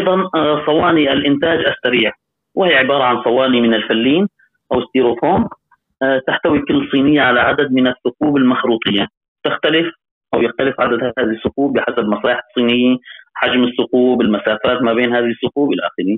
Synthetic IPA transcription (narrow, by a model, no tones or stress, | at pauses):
ʔɑjðˤɑnsˤɑwɑːniʔalʔɪnt̪aːd͡ʒʔasːaɾiːʕ | wɪhiːʕɪbɑːɾˤɑʕansˤɑwɑːnimɪnɪlfalːiːn | ʔawɪst̪iːɾoːfoːm | t̪ɪħt̪awikʊlːsˤiːnɪjːaʕalaʕad̪ad̪̚mɪnasːʊquːbɪlmaxɾuːt̪ˤɨjːa | t̪ɪxt̪alɪf | ʔawjɪxt̪alɪfʕad̪ad̪haaːðsːʊquːbɪħasabmɑsˤɑːjɪħɑsˤːiːnɪjːaħad͡ʒmɪsːʊquːbɪlmasaːfaːt̪mabeːnhaːðisːʊquːbʔɪlʔa̰ːxɪɾiː